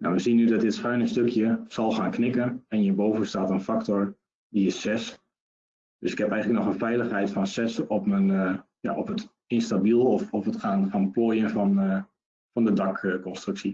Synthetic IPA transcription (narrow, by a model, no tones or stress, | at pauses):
nawʋəsinːydɔt̚dɪtsxœɥnəstøkʰjəsɔlˠxaːnknɪkənɛnjəbowvənstaːtənfaktɔr | diɪsɛs | d̥øsɪ̥khɛpɛjŋəŋləknɔxənfɛjləxɦɛjtfɔnsɛsɔpmən | ja̰ʔɔpət | ɪnstabilˠɔfɔfətxaːnxaːnplojənfɔn | fɔndədɑkəkɔnstryksi